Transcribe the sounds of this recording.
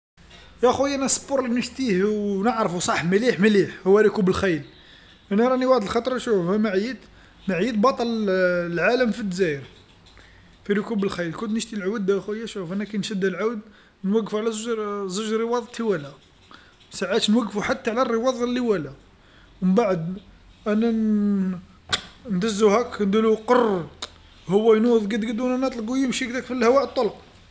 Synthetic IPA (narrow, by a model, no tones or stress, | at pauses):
jæxujʔænæsboɾˤlinəʃt̪ihwnəʕɾfusˤɑħːməliħməliħhʊwːæɾokubəlxæjl | ʔænæɾˤɑniwaʕd̪əlxɑt̪ˤɾˤʃufhæmaʕjət̪ | maʕjət̪bɑt̪ˤɑllʕaləmfid̪zæjəɾ | fiɾukubəlxæjlkʊnt̪nəʃt̪ilʕawəd̪æxujːæʃufʔænækæjnʃəd̪ːælʕawd̪ | nwəɡːfuʕlæzʒɾzʊʒɾəwɑd̪ˤt̪ʰiwælæ | saʕat̪nwæɡːfuħat̪ːaʕlærːəwɑðˤlːiwælæ | wəmbaʕəd̪ | ʔænæn | nd̪æzːuhæknd̪uluqorˤ | hʊwːæjnuðˤɡəd̪ɡəd̪unænɑt̪ˤlɡujəmʃikd̪ækfilhæwæʕət̪ˤːolq